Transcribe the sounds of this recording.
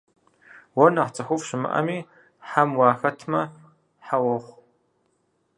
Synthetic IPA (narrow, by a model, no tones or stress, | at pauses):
wɔnɐχt͡sʼɐxʷʊfʃɪmɨ̰ʔɐ̰miː | ħamwɑːxɐtʰmɐ | ħawɔχʷ